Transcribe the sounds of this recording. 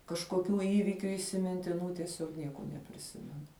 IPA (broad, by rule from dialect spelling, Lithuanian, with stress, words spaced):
kɐʃkoːˈkʲuː ˈiːʋʲiːkʲʊ iːsʲɪmʲɪnʲtʲɪˈnuː tʲiɛˈsʲoːk ˈnʲiɛkoː nʲɛpʲrʲɪˈsʲɪmʲɛnʊ